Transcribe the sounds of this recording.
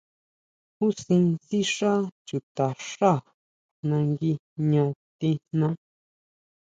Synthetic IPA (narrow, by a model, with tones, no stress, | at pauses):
hu˦sĩ˧nsi˦ʂa˦t͡ʃu˨t̪a˨ʂa˦˨ | nã˧ŋɡi˧ | ɲõ˧t̪i˧n̥nã˦